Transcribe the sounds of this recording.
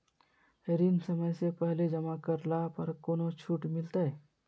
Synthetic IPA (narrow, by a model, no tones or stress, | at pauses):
eɾiːnsɐməjsepɛɦled͡ʒɐmakɐɾlapɐɾkoːnot͡ʃʰuːʈmɪlt̪aɛ